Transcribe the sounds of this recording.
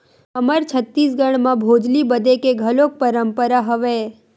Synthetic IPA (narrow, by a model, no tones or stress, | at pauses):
əməɾt͡ʃʰət̪ːisɡəɽ̃mãbʱod͡ʒlibəd̪ekeɡʱəlok̚pəɾəmpəɾaɦəʋe